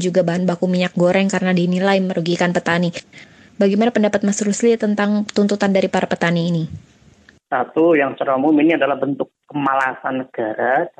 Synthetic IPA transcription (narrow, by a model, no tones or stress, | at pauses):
d͡ʒuɡabaɦanbakumiɲak̚ɡoɾɛŋkaɾənadinilajməɾuɡikanpət̪ani | baɡimanapəndapat̪̚masɾuslit̪ənt̪aŋt̪unt̪ut̪andaɾipaɾapət̪aniːni | sat̪ujaŋt͡ʃəɾamuminiadalahbənt̪ʊkːəmalasanːəɡ̥aɾa